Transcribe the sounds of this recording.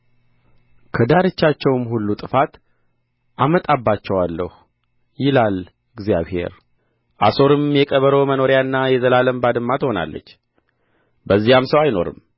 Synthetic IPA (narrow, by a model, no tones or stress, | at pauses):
kʰəd̪aɾɨt͡ʃːat͡ʃːɛwmɦulːut̪ʼɨfat̪ | ʔamət̪ʼabːat͡ʃːɛwalːə̰hu | jɪlal | ɨɡzija̰βhe̞̰ɾ | ʔa̰so̞ɾɨmjɛkʼəβəɾo̞məno̞ɾjanːajɛzəlaləmbad̪ɨmːat̪ho̞na̰lːə̰t͡ʃː | bəzːijamsəwajno̞̰ɾɨ̰m